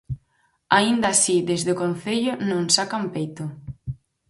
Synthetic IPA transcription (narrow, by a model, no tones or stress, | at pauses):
aind̪asid̪ezðɪokon̟θeʎʊnõŋsakampejt̪ʊ